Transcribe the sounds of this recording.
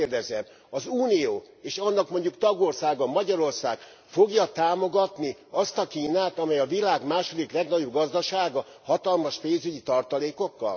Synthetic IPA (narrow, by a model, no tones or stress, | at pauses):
erd̪ɛzɛm | ɒzuːnijoː | eːʃɒnːɒkmo̞ɲɟukt̪ɒɡo̞rsaːɡɒmɒɟɒɾo̞rsaːɡ̥ | fo̞ɡjɒt̪aːmo̞ɡɒt̪niɒst̪ɒkiːnaːt̪ɒmɛjɒvilaːɡmaːʃo̞d̪iklɛɡnɒɟo̞b̚ɡɒzd̪ɒʃaːɡɒ | hɒt̪ɒlmɒʃpeːnzyɟit̪ɒrt̪ɒleːko̞kːɒ̰l